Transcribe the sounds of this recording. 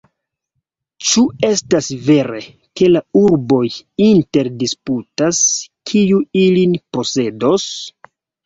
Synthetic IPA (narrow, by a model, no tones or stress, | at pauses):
t͡ʃue̞stasve̞ɾe̞ | ke̞lauɾbo̞jinte̞ɾdisputaskʰijuilinpo̞se̞dos